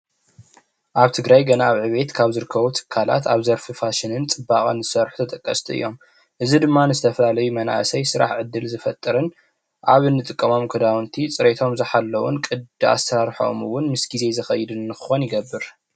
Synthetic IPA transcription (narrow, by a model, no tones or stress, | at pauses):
ʔaβt̪ʰɨɡɾajɡɐnaːβʕɨβe̞t̪kʰaβzɨɾɨkʰːɐβut̪ʰɨ̥kʰːala̰t̪ʰaβzɐɾfɨfaʃɪnɨnt͡sʼɨbːakʼɨnzɨsɐɾħut̪ʰɐt̪ʼɐkʼːɐst̪ʰiʔɨ̰jːo̞m | ʔɨzid̪ɨmːanɨzɨt̪ʰɐfɐlalɐjumɐna̰ʔsɐjsɨɾa̰ħʕɨd̪ːɨlzɨfɐt̪ʼːɨɾɨn | ʔaβɨnːɨt̪ʼɨkʼːɐmo̞mkʰɨd̪awnt̪ʰit͡sʼɨɾe̞t̪ʰo̞mzɨħalːɐwunkʼɨd̪ɨa̰st̪ʰɐɾaɾħo̰mɨwːʊnmɨsɡize̞zɨxɐjɪd̪ɨnːɨxɨxonjɪɡɐbːɨɾ